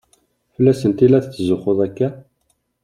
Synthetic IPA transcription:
fəlːæsənt̪ilæθθːzʊχoðˤækːæ

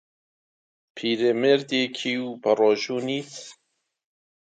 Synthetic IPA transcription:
pʰiːɾemeːɾd̪eːkʰiːwpɐrɔːʒuːniːt̪

